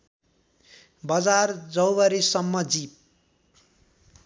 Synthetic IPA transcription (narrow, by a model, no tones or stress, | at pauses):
bʌd͡zard͡zʌwwʌɾisʌmːʌd͡zip̚